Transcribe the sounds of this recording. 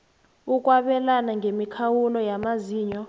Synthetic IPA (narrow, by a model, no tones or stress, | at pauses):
uk̬ʼwaɓɛlanaŋemikʰawulɔjamaziːɲɔ